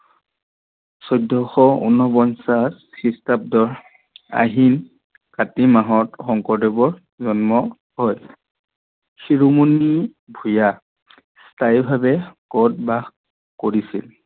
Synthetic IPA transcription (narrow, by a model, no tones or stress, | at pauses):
sɔjdʱːɔxɔṵnɔbɔnsas | xistap̚dɔɹ | a̰ɦin | katimaɦɔtxɔŋkɔɹdɔbɔɹ | zɔnmɔ | ɦɔj | xiɹumuni | bʱuja | stʰajbʱabɛkɔt̚bax | koɹisḭl